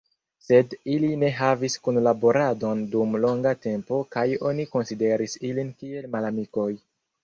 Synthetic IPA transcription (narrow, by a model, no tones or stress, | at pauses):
se̞diline̞ɦaviskunlabo̞ɾado̞ndumlo̞ŋɡate̞mpo̞kajo̞niko̞nside̞ɾisilinkie̞lmalamiko̞j